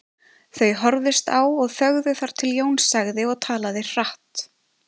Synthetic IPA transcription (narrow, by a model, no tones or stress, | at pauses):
θœɥɦɔɾðɪst̪awɔɣfœɣðʏθaɾ̥t̪ʰɪljoːwnsaɣðɪɔɣt̪ʰaːlaðɪ̥aht̪